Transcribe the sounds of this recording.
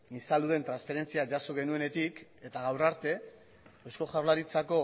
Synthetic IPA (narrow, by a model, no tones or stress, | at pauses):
isaluðe̞nt̪ɾansfe̞ɾe̞nt͡siad͡ʒasoɣ̞e̞nue̞ne̞t̪ike̞t̪aɣ̞awraɾt̪e̞ | osko̞ʝawɾlaɾit͡sako̞